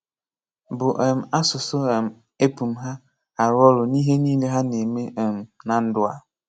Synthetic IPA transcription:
bʊ˨ʔe˨m̩˨a˦sʊ˨sʊ˦e˨m̩˨ | e˦pu˨m̩˦ɦa˦ | a˨ɾʊ˦ɔ˦ɾʊ˨ni˦ɦe˦niː˦le˦ɦa˦ne˨me˦e˨m̩˨na˨n̩˦dʊ˦a˨

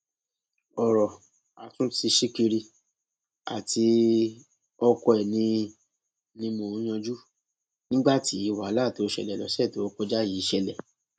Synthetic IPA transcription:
ɔ˨ɾɔ˨ | a˨tũ˦ti˧ʃi˦ki˧ɾi˧ | a̰˨ti˧ | ɔ˧kɔ˧ɛ˨nĩ˧ | nĩ˧mõ˧˨ũ˨˦j̃ã˧d͡ʒu˦ | nĩ˦ɡ͡ba˦˨ti˨˦i˨˧˨wa˨˦la˦˨ti˨o˧ʃɛ̰˧˨lɛ˨lɔ̰˨˦sɛ˦˨to˨ɔ˧kɔ˧d͡ʒa˦ji˨˦ʃɛ˧lɛ˨

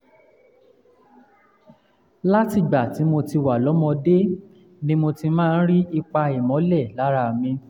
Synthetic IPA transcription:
la˦ti˨ɡ͡ba˨ti˨˦mo˧ti˧wa˨lɔ˨˦mɔ̃˧de˦ | nĩ˦mo˧ti˧mãː˦˧n̩˦ɾi˦i˧k͡pa˧i˨mɔ̃˨˦lɛ˦˨la˨˦ɾa˧˨mĩ˧

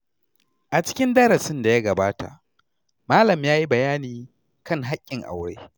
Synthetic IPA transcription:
ʔa˨t͡ʃɪ̥˦kʲɪ˦ndɐ˦ɾɐ˨sɪ˦nda˨ja˦ɡɐ˨baː˦ta̰˨ʔ | maː˦lɐ˨mjaː˦ji˦bɐ˨jaː˦niː˨ | kɐ˦˨ŋɦa˦kʲʼːɪ˨ŋʔa̰˨wɽḛː˦

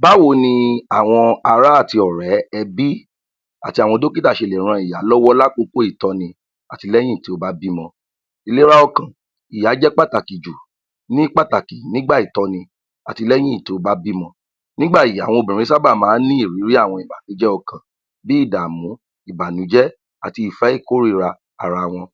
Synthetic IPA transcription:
ba˨˦wo˧˦nĩ˧a˨w̃ɔ̃˧a˧ɾa˦a˦˨ti˧ɔ˨ɾɛ˨˦ɛ˧bi˦ | a̰˨ti˧˦a˨wɔ̃˧do˦ki˦ta˦˨ʃe˧˨lɛ˨ɾ̃ã˧i˨ja˨˦lɔ˦wɔ˦la˦k͡po˧˦ko˦i˦˨tɔ˧nĩ˧ | a˨ti˧lɛ˦jĩ˦i˦˨ti˧o˧˦ba˦bi˦mɔ̃˧ | i˧le˦ɾa˦ɔ˧kã˨ | i˨ja˨˦d͡ʒɛ˦k͡pa˦˨ta˨ki˨d͡ʒu˨ | nĩ˦k͡pa˦ta˨ki˨nĩ˦ɡ͡ba˦˨i˨tɔ˧nĩ˧ | a˨ti˧lɛ˦j̃ĩ˦i˦˨te˨˧o˧ba˦bi˦mɔ̃˧ | nĩ˦ɡ͡ba˦˨i˨a̰˨w̃ɔ̃˧o˧bĩ˨ĩ˨˦sa˦ba˦˨mãː˨˦nĩ˦i˦˨ɾi˨˦ɾi˦a˦˨w̃ɔ̃˧i˨ba˨nũ˨˦d͡ʒɛ˦ɔ˧kã˨ | bi˦i˦˨da˨mũ˨˦ | i˨ba˨nũ˨˦d͡ʒɛ˦ | a˨ti˧i˨fɛ˨˦i˦˨ko˦ɾi˦˧ɾa˧ | a˨ɾa˧˨w̃ɔ̃˧

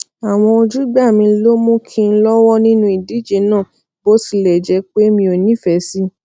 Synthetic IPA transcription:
a˨w̃ɔ̃˧o˧d͡ʒu˦ɡ͡ba˦˨mĩ˧˦lo˦mũ˦kʰĩ˦˧n̩˦lɔ˦wɔ˦nĩ˦nũ˦i˨di˨˦˨d͡ʒe˨˧˦nãː˦˨ | bo˦si˧˨lɛ˨d͡ʒɛ˧˦k͡pe˦mĩ˧o˨nĩ˦˨fɛ˨˦si˦

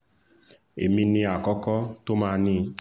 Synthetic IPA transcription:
ḛ˨mĩ˧nĩ˧a˨kɔ˦kɔ˦to˦mãː˧nĩ˦

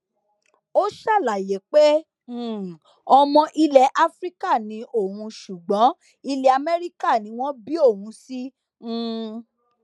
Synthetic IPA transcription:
o˦ʃa˦˨la˨je˨˦k͡pe˦˨ | ɔ˧mɔ̃˧ʔi˧lɛ˧ʔa˦fɾi˦ka˦˨nĩ˨˦ʔo˦˨hũ˧ʃu˨ɡ͡bɔ̃˨˦ | i˧le˧a˧mɛ˦ɾi˦ka˦˨nĩ˨˦w̃ɔ̃˦bi˦o˦˨hũ˧˦sĩ˦˨

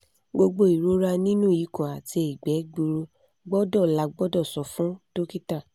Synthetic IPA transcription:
ɡ͡bo˧ɡ͡bo˧˦i˨ɾo˨˦ɾa˧nĩ˦nũ˦˨i˨˦kɔ̃˨a˨te˧˦i˨ɡ͡bɛ˨˦ɡ͡bu˧ɾo˧ | ɡ͡bɔ˦dɔ˦˨la˨˧ɡ͡bɔ˦dɔ˦˨sɔ˨fũ˦to˦ki˦ta˦˨

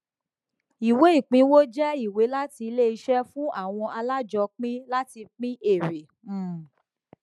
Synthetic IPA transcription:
i˨we˨˦i˦˨k͡pĩ˨˦wo˦d͡ʒɛ˦i˦˨we˨˦la˦ti˧le˦i˧ʃɛ˦fũ˦ʔa˦˨w̃ɔ̃˧ʔa˧la˦d͡ʒɔ˧k͡pĩ˦la˦ti˧k͡pĩ˦ʔe˦˨ɾe˨

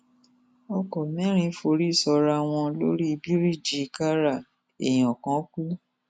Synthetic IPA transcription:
ɔ˧kɔ˨mɛ̃˨˦ɾ̃ĩ˧˦fo˧ɾi˦˨sɔ˧ɾa˧w̃ɔ̃˧lo˦ɾi˦˧bi˦ɾi˦˨d͡ʒi˨˧ka˦ɾa˦˨ | e˨j̃ɔ̃˨kã˨˦ku˦

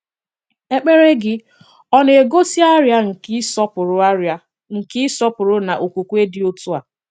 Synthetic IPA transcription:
e˦k͡pe˦ɾe˦ɡɪ˦ | ɔ˦n˦e˨ɡo˦si˦a˦ɾja˦ŋ̩˨˦sɔ˦pʊ˨ɾʊ˨˦ | ŋ̩˨kɪ˦sɔ˦pʊ˨ɾʊ˦na˨ʔo˨kʷu˨kʷu˦e˦dɪ˦o˦tu˦a˨

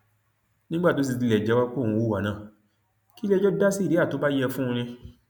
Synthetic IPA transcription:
nĩ˦ɡ͡ba˦˨to˨˦s̬i˧ti˧lɛ˨d͡ʒɛ˨˦wa˦k͡põ˦˨ũ˧wo˦˨wa˨nãː˨ | ki˦lɛ˧˦d͡ʒɔ˦da˦si˦˨e˨˦a˦˨to˨˦ba˦jɛ˧fũ˦˧ɾ̃ĩ˧

